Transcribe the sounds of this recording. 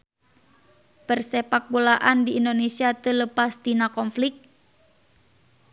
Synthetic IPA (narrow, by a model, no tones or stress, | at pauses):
pərsɛpak̚bulaʔandiːndonesiat̪ələpasd̪inakɔnflik̚